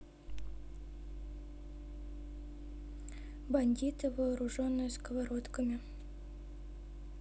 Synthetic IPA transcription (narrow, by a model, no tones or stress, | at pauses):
bɐnʲdʲit̪ɨvɐːɾuʐonːɨjəskəvaɾot̪kəmʲɪ